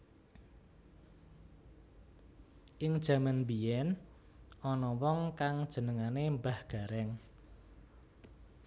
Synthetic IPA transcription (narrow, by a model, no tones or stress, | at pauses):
ʔɪŋd̥ʒ̥ä̤manbijɛn | ʔɔnɔwɔŋkaŋd̥ʒ̥ə̤nəŋanembahɡ̥a̤ɾɛŋ